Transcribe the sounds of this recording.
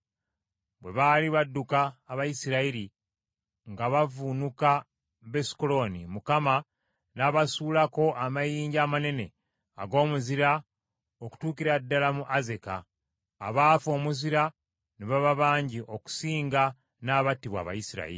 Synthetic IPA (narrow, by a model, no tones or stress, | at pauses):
βwe̞βaliβadːukaːβajisiɾaiɾi | ŋɡaβavunuka | βesi̥kolo̞nimukama | naβasuːlako̞ʔamajiːɲɟaːmane̞ne̞ | a̰ɡo̞ːmuziɾa | oku̥tuːkiɾadːalamuʔaze̞ka̰ː | βaːfo̞ːmuziɾa | neβaβaβaːɲɟiʔo̞ku̥siːŋɡa | naːβatːiβwa̰βa̰jisiɾa̰ḭɾi